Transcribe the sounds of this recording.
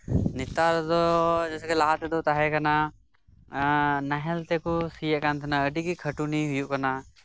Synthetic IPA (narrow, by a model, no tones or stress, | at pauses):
nit̪aɾd̪ɔd͡ʒɛsɛkɛlaɦat̪ɛd̪ɔt̪aɦɛkana | naɦɛlt̪ɛkusijɛʔkant̪ʰənaəɖikikʰəʈuniɦujuʔkana